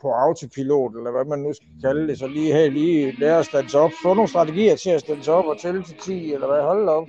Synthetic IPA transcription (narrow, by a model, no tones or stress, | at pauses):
pʰɒ̽ɑ̈ʊt͡sʰipʰilo̝̰ːd̥elɐʋæmænːusɡ̥ækʰæld̥e̝sɒ̽liːɦɛliːlɛːɐɒsd̥ænsɒ̽b̥fɔ̽no̝ːnsd̥ʁɑ̈t͡sʰeɡ̥ḭːɐt͡sʰe̝æsd̥ænsɒ̽b̥ɒ̽t͡sʰelt͡sʰelt͡sʰḭːelɐʋæɦɒ̽lɒ̽b̥